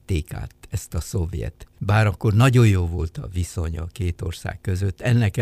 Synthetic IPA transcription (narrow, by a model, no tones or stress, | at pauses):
t̪ːeːka̰ːt̪ɛst̪ɒso̞vjɛ̰t̪baːɾɒkːo̞rnɒɟo̞jjoːvo̞lt̪ɒ̰viso̞ɲɒ̰keːt̪o̞rsa̰ːkkøzøt̪ːɛnːɛk